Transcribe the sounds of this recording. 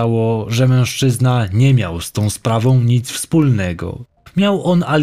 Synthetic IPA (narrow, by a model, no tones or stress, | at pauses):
awɔʐɛmɛ̃w̃ʂt͡ʂɘznaɲɛmʲja̰wst̪ɔ̃w̃spɾavɔ̃w̃ɲit̪sfspulnɛɡɔ̰ | mʲjawʔɔnal